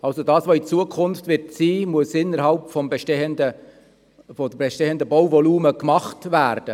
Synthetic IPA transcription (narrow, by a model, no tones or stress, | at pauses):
ɑlsodɑːsʋoːit͡suəkʰʊnftvʋɪɾtsiːmuəsɪnːəɾɦɑlpfɔmbɛʃtɛəndə | fɔdbɛʃteəndəbɔwvɔluːməkmɑχtvæːɾd̥ə